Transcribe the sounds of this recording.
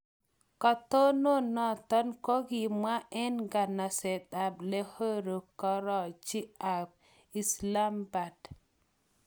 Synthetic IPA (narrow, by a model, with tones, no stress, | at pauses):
kɔ˨t̪o˦no˦nɔ˨t̪ɔ˦nko˦ɡi˨mwa˦ʔɛ˦nɡa˨na˨sɛ˨t̪a˨ble˦ho˦ɾo˨kɔ˦ɾɔ˨t͡ʃi˦a˨b̚ | i˨sla˦mba˨d